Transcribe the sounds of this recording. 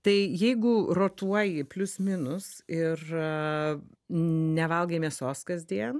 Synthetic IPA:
t̪ɐɪjɛɪɡʊroːt̪uɔjɪpʲlʲʊsmʲɪnʊsɪr | nʲɛʋɐlˠɡʲeːmʲɛsoːskɐzʲd̪ʲiɛn

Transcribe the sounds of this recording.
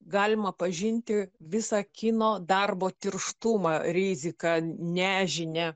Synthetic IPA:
ɡɑːlʲɪmɐpɐʒʲɪnʲt̪ʲɪʋʲɪsɑːkʲɪnoːd̪ɑrboːt̪ʲɪrʃt̪umɑːɾʲɪzʲɪkɑnʲæːʒʲɪnʲɛ

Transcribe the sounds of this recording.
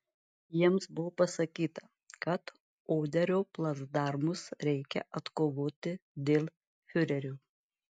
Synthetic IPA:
jiɛmsbʊʋoːpɐsɐkʲiːt̪ɐ | kɐt̪ | oːd̪ʲɛɾʲoːplˠɐzd̪ɑˑɾmʊsɾʲɛɪkʲɛ̰ʔɐt̪koːʋoːt̪ʲɪd̪ʲeːlʲˠ | fʲʊɾʲɛɾʲuː

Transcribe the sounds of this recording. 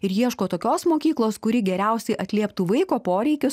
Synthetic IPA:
ɪɾjiɛʃkoːt̪oːkʲoːsmoːkʲiːklˠoːskʊɾʲɪɡʲɛɾʲɛʊsʲɛɪʔɐt̪ʲlʲeːpt̪uːʋɐɪkoːpoːɾʲɛɪkʲʊs

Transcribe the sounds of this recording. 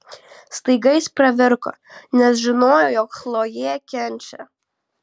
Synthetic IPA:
st̪ɐɪɡɐɪspɾɐʋʲɪɾko̰ | nʲɛsʒʲɪnoːjojoːkxlˠoːjeːkʲɛnʲt͡ʃʲɛ̰

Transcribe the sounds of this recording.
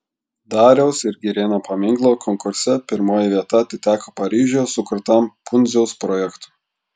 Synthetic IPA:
d̪ɑːɾʲɛʊsɪɾɡʲɪɾʲeːnɐpɐmʲɪŋklˠoːkʰɔŋkʊɾʲsʲɛpʲɪɾmoːjɛʋʲiɛt̪ɐɐt̪ʲɪt̪ʲæːkoːpɐɾʲiːʒʲosʊkʊɾt̪ɐmpʊnʲzʲɛʊspɾɔːjɛkt̪u̥

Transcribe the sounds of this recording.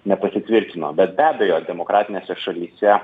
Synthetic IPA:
nʲɛpɐsʲɪt̪ʲʋʲɪɾʲk̪ʲɪno̰ːbʲɛt̪̚bʲæːbʲɛjoːd̪ʲɛmokɾɑːt̪ʲɪnʲeːsʲɛʃɐlʲiːsʲɛ

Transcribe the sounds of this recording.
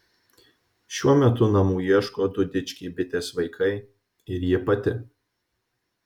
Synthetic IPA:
ʃʲuɔmʲɛt̪ʊnɐmuːiɛʃkoːd̪ʊd̪ʲɪt͡ʃʲkʲiːbʲɪt̪ʲeːsʋɐɪkʰɐɪ | ɪɾjiɛpɐt̪ʲɪ

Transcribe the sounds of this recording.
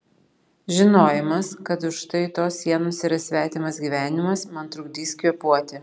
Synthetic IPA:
ʒʲɪnoːjɪmɐskɐt̪ʊʃt̪ɐɪt̪oːsːʲiɛnoːsɪɾɐsʲʋʲæːt̪ʲiːmɐsɡʲiːʋʲæːnʲɪmɐsmɐnt̪ɾʊɡd̪ʲiːsʲkʲoːpuɔt̪ʲɪ

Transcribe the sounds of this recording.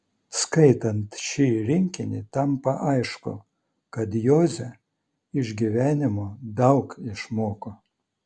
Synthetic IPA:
skɐɪt̪ɐnt̪ʃʲiːɾʲɪŋʲkʲɪnʲɪt̪ɐmpɐʔɐɪʃkʊ̰ | kɐt̪joːzʲɛ | ɪʒʲɡʲiʋʲæːnʲɪmoːd̪ɐʊkɪʃmoːko

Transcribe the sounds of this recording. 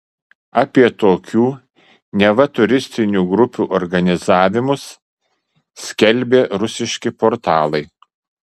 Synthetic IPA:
ɑːpʲiɛt̪oːkʲuː | nʲɛʋɐt̪ʊɾʲɪsʲt̪ʲɪnʲuːɡɾʊpʲuːʔɔɾɡɐnʲɪzɑːʋʲɪmʊs | sʲkʲɛlʲˑbʲeːɾʊsʲɪʃʲkʲɪpoɾt̪ɑːlˠɐɪ

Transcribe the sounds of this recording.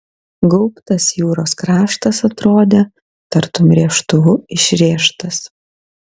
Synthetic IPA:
ɡɔʊpt̪ɐsjuːɾoːskɾɑːʃt̪ɐsɐt̪ɾoːd̪ʲe | t̪ɐɾt̪ʊmʲɾʲiɛʃt̪ʊʋʊɪʃʲɾʲeːʃt̪ɐs

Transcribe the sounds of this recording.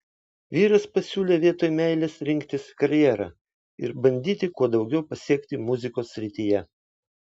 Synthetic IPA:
ʋʲiːɾɐspɐsʲuːlʲeːʋʲiɛt̪oːjmʲæɪlʲesɾʲɪŋʲkt̪ʲɪskɐɾʲjɛːɾɑ̰ː | ɪ̰ɾbɐnʲd̪ʲiːt̪ʲɪkuɔd̪ɒʊɡʲɛʊpɐsʲiɛkt̪ʲɪmʊzʲɪkoːsːʲɾʲɪt̪ʲijɛ

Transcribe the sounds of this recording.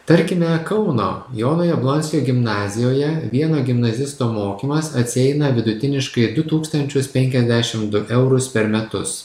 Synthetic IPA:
t̪ɐɾʲkʲɪmʲɛkɐʊno̰ːjoːnoːjɛblˠɔnʲsʲɪjoːɡʲɪmnɑːzʲɪjoːjɛʋʲiɛnoːɡʲɪmnɐzʲɪst̪oːmoːkʲiːmɐsɐt̪ʲsʲɪɛɪnɐʋʲɪd̪ʊt̪ʲɪnʲɪʃkɐɪd̪ʊt̪uːkst̪ɐnʲt͡ʃʲʊspʲɛŋʲkʲɛzʲd̪ʲæʃʲɪmd̪ʊʔɛʊɾʊspʲɛɾmʲɛt̪ʊ̰s

